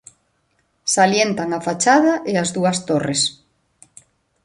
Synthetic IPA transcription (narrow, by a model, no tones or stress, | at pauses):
saljent̪aŋafat͡ʃaðɐʔɪazðuɐst̪ores